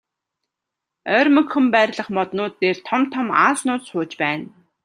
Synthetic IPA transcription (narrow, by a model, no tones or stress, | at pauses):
œːrʲmɵ̆kxɵ̆mpæːrʲɮə̆χmɔt̪nʊːt̪ːeːrt̪ʰɔmt̪ʰːɔma̰ːsnʊːt͡sχʊːt͡ɕpæːn